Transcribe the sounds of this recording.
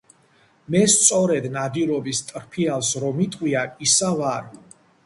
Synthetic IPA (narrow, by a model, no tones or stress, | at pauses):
mɛst̪sʼɔɾɛd̪nad̪iɾɔbist̪ʼɾpʰialˠsɾɔmit̪ʼqʼwiaisavaɾ